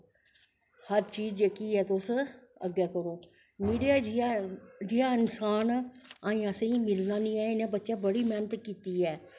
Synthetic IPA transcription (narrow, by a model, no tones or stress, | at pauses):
həɾt͡ʃiːzd͡ʒeːkiːɛːt̪ʊsə̰ɡɛːkəɾoː | miːɖijaː | d͡ʒiaːɪnsaːnãːĩəseĩːmɪlnaːnĩɛ̃ːɪnẽːbətːʃaːbəɽiːmɛːnət̪kiːt̪iːɛː